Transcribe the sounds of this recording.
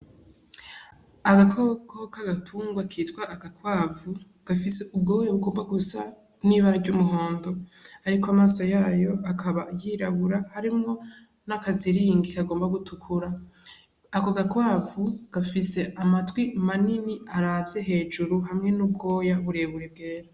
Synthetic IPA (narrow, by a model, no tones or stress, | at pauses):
aɡakʰokokaɡatʰuːŋɡwakʰiːtwaʔːɡakwaːvu | ɡ̥afise̞ub̚ɡo̞ːjaβuɡo̞ːmbaɡusa̰ | niβaɾaɟumuɦo̞ːndo̞aɾikoamaːso̞jaːjo̞ʔakʰaβajiɾaβuɾahaɾimŋo̞ | nakaziɾiːŋɡikaɡo̞ːmbaɡutʰukʰuɾaː | koɡakwaːvuɡ̥afise̞ʔamatwimaniniaɾaːvze̞ɦe̞ːd͡ʒuɾuɦamŋe̞nubɡo̞ːjaβuɾe̞βuɾeb̚ɡe̞ːɾa